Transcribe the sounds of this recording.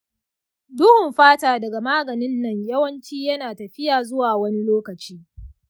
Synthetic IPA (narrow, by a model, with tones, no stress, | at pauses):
dʊ˦hʊ˨mɸaː˦taː˨dɐ˨ɡa˨maː˦ɡɐ˨nɪ˦nːɐ˨ɲjɐ˦wɐ˦nt͡ʃiː˦jɐ˦naː˨tɐ˨ɸɪ˦jaː˨zʊ˦waː˨wɐ˦ni˦loː˦kɐ˨t͡ʃiː˦